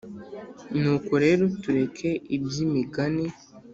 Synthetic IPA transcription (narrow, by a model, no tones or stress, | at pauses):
nukuɾe̞ɾotuɾekʰeibjimiɡani